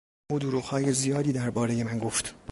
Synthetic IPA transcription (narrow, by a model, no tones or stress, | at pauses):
uːd̪oɾuɣhɒːje̞zijɒːd̪iːd̪æɾbɒːɾe̞je̞mænɡo̞ft̪